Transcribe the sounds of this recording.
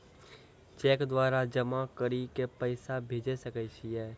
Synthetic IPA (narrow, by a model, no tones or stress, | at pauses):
t͡ʃɛːkd̪waːɾad͡ʒəmakəɾikepəɪsabʱeːd͡ʒesəkəɪʃiɛː